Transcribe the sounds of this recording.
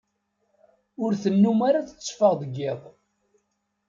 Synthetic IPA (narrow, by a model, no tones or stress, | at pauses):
ʊɾθənːumaɾaθə̥t͡sːfəʁðəɡːɪðˤ